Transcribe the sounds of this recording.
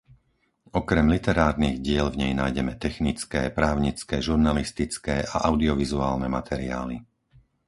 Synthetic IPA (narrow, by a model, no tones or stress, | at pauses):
ɔkɾɛmlit̪ɛɾaːɾniɣɟɪɛlvɲɛjnaːjɟɛmɛt̪ɛxnit͡skɛ̰ːpɾaːʊɲit͡skɛʒuɾnalist̪it͡skɛːʔaʔaʊd̪iɔʋizuaːlnɛmat̪ʰɛɾia̰ːli